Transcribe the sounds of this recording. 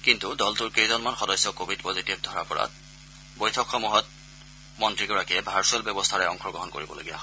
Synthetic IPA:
kintudɔltuɹkejzɔnmanxɔdɔjsɔkobʱidpozitibdʱɔɹapɔɹa̰t | bojtʰɔkxɔmuɦɔt̚ | mɔntɹiɡɔɹakiɛbʱaɹsuɛlbɛbɔstʰaɹɛɔ̰ŋxʰɔɹɡɹɔɦɔnko̰ɹibɔlo̰ɡija̰

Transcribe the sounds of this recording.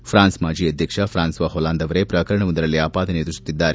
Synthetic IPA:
pʰɾaːnsmaːd͡ʒiːɐd̪ʱjɐkʂɐpʰɾaːnsʋaɦolaːnd̪ɐʋɐɾepɾɐːkɐɾɐɳɐʋund̪ɐɾɐlːiaːpaːd̪ʱɐned̪ɾusu̥t̪ːid̪ːaːɾe

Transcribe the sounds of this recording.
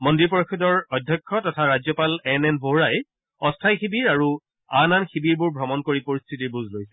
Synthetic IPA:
mɔndɹipɔɹɔkʰidɔɹɔdʱjɔkʰːɔtɔtʰaɹazjɔpalɛnɛnboɦɹaj | ɔstʰajxibiɹaɹu | ananxibiɹbʊɹbʱɹɔmɔnkoɹipoɹistʰitiɹbuzʱlojsɛ̥

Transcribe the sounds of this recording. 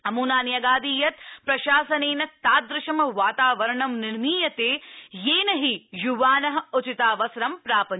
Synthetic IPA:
ɐmuːnaːnjɐɡaːd̪iːjɐt̪̚pɾɐʃaːsɐneːnɐt̪aːd̪ɾɪʃɐmɐʋaːt̪aːʋɐɾɐɳɐmnɪɾmiːjɐt̪eːjeːnɐɦijuʋaːnɐɦɐut͡ʃit̪aːʋɐsɾɐmpɾaːpɐ

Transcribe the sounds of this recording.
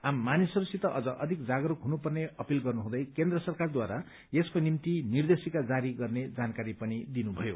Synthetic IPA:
amːanisʌɾusit̪ʌʔʌd͡zʌʔʌd̪ʱikd͡zaɡɾukɦunupʌrneʌpilɡʌrnuɦũd̪ʌjkend̪rʌsʌrkard̪waɾa | eskonimt̪inird̪esikad͡zaɾiɡʌrned͡zankaɾipʌnid̪inubʱʌjo

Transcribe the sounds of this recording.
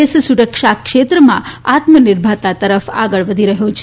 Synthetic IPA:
essuɾəkʂakʂet̪ɾəmã̰at̪mənɪɾbʱat̪at̪əɾəfa̰ɡəɭʋəd̪ʱiɾəɦjõt͡ʃʰe

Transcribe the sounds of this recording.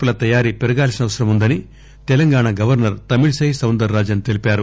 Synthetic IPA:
ulɐt̪ɐjaːɾipɛɾɐɡaːlsinɐʋɐsɐɾɐmund̪ɐni | t̪ɛlɐŋɡaːɳaɡɐʋɐɾnɐɾt̪ɐmiɭsɐjsɐwnd̪ɐɾːaːd͡ʒɐnt̪e̞lipaːɾu

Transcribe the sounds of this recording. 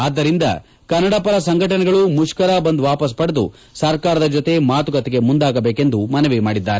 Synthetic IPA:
aːd̪ːɐɾind̪ɐ̰ | kɐnːɐɽapɐɾɐsɐŋɡʱɐʈɐnɛɡɐɭumuʃkɐɾabɐnd̪uʋaːpɐs̬pɐɽed̪u | sɐɾkaːɾɐd̪ɐd͡ʒot̪e̞maːt̪uɡɐt̪ɛɡe̞mund̪aːɡɐbeːke̞nd̪umɐnɐʋimaːɽid̪ːaːɾe

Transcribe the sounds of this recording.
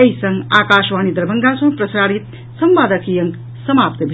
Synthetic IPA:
ejsʌŋɡaːkaːʃʋaːnid̪ɐɾbʱəŋɡasə̃ŋprəsaːɽit̪̚ | sʌmʋaːd̪əkijʌŋ | sʌmaːpt̪əbʱi

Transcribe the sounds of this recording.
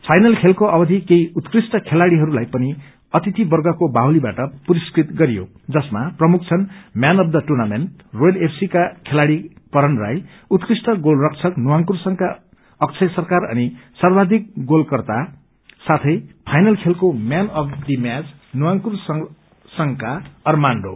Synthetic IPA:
pʰajnʌlkʰelkoʌbʌd̪ʱikejut̪krisʈʌkʰelaɽiɦʌɾulajpʌni | ʌt̪it̪ibʌrɡʌkobaɦwlibaʈʌpuɾiskrit̪ɡʌɾijo̰ | d͡zʌsmaprʌmuk̚ʰt͡sʰʌnmjanʌb̚d̪ʌʈurnamenʈroɖepʰsikakʰelaɽikʌɾʌnra̰j | ut̪krisʈʌɡolrʌk̚t͡sʰʌknuwaŋkursʌŋka | ʌk̚t͡sʰʌjsʌrkaɾʌ̰nisarbad̪ʱik̚ɡolkʌrt̪a | sat̪ʰʌjpʰajnʌlkʰelkomjanʌp̚ʰd̪imad͡z | nuwaŋkurs | sʌŋkaʌrmaɳɖo̰

